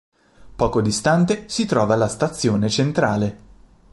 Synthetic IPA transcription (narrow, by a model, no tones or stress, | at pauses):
pɔːkod̪ist̪ant̪esit̪ɾɔːvalast̪at̪sːjoːnet͡ʃent̪ɾaːle